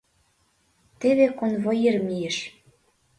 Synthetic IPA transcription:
t̪eβekonvojeɾmijeʃ

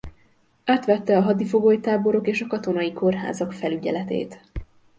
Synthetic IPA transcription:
aːt̪ʋɛt̪ːɛɒɦɒd̪ifo̞ɡoːjt̪aːbo̞ɾo̞keːʃɒkɒt̪o̞nɒjikʰo̞rɦa̰ːzɒkfɛlyɟɛ̰lɛt̪ḛːt̪

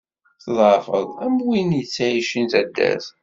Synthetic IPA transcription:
θðˤəfəðˤæmwinjət͡sːæiʃint̪æd̪ːæ̰θ

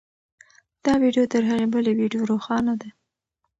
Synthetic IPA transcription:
d̪̥ɑwiɖjot̪əɾɦaɣebəlewiɖjoɾoxɑnad̪a

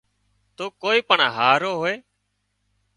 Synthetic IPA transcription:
t̪oːkoːiːpəɳɦaːɾoːɦoːeː

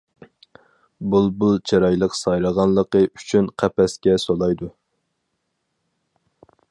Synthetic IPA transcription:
bulˠbulˠt͡ʃʰɑɾɑjlˠəqsɑjɾəʁɑnlˠəqəʔyt͡ʃʰynqʰæpɛskʲɛsolˠɑjd̪u

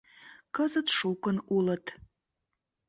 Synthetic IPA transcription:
kəzət̪ʂukənulət̪

